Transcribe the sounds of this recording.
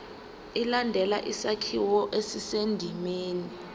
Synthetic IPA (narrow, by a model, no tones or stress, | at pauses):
ilandʱɛlaʔisakʰiwɔʔesisendʱimeːni